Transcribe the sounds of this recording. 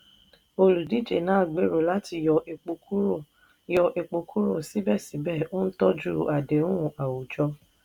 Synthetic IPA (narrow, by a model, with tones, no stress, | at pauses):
o˧lu˨di˨˦d͡ʒe˨nãː˦˨ɡ͡be˨˦ɾo˨la˦ti˧jɔ˧e˧k͡po˧ku˦˨ | jɔ˧ʔe˧k͡po˧kʰu˦ɾo˦˨si˨˦bɛ˦˨sĩ˨˦bɛ˦˨o˦n̩˦tɔ˦d͡ʒu˦˨ʔa˨de˨˦ũ˦˨a˨wu˨d͡ʒɔ˧˦